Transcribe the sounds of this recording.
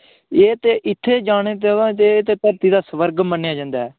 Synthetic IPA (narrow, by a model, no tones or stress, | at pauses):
eːt̪eːʔɪt̪ʰːeːd͡ʒaːɽ̃eːt̪̬eãːt̪eːt̪eːt̪əɾt̪iːd̪aːsəʋəɾɡmənːejaːd͡ʒãːnd̪aːɛː